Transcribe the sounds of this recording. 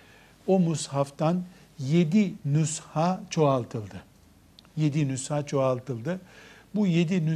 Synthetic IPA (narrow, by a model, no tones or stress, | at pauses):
omushaft̪ʰan | je̞d̪inushaːt͡ʃʰo̞alˠt̪ʰɯlˠd̪ɯ | je̞d̪inyshaːt͡ʃʰo̞alˠt̪ʰɯlˠd̪ɯbujed̪iny